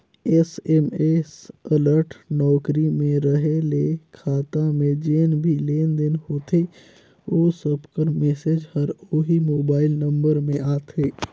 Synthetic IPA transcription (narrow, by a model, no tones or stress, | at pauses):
esɛmesələɾʈnɔːkɾimẽɾəɦelekʰaːt̪ãmẽd͡ʒeːnbʱileːnd̪ɪnhoːt̪e | oːsəbkəɾmeːseːd͡ʒhəɾoɦimoːbaːɪlnə̃mbəɾmẽaːt̪ʰeː